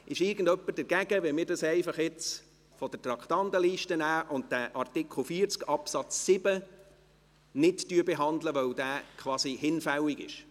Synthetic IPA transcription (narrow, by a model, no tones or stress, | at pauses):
ɪʃɪɾɡən̩dœpːəd̥əɾɡ̥æɡ̥əʋɛmɪːɾdɑsɛɪfɑχjɪt͡s | fɔd̥ətrɑkχt̪ɑndəliːʃtənæːʔʊnt̚d̥æʔɑrtɪkʰχl̩ˠfiːəɾt͡skɑpsɑt͡sːɪb̥ə | nɪttyːəbɛɦɑnd̪ləʋœwd̥æːkʰʋɑːsihɪnfæwiɡɪ̰ʃ